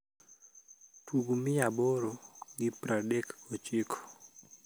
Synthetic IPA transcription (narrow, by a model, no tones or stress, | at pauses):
tuɡumɪjabɔɾoɡɪpɾadɛkot͡ʃɪkʰo̥